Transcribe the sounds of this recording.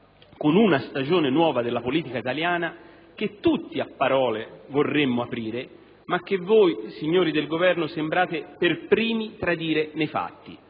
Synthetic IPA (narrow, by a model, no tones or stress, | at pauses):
konunast̪ad͡ʒoːnenwɔːvad̪elːapoliːt̪ikait̪aljaːna | k̟ɪt̪ːut̪ːiapːaɾɔːlevorːemːʊapɾiːɾe | mak̟ːevːoːjsiɲːoːɾid̪elɡovɛrnʊsembɾaːt̪ɪperpɾiːmit̪ɾad̪iːɾenejfa̰t̪ːḭ